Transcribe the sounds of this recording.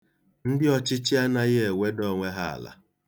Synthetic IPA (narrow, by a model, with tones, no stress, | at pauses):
n̩˦dɪ˦ɔ˦t͡ʃɪ˦t͡ʃɪ˦a˦na˨jɪ˦e˨we˦dɔ˦˨ŋʷe˦ɦa˦a̰˨la̰˨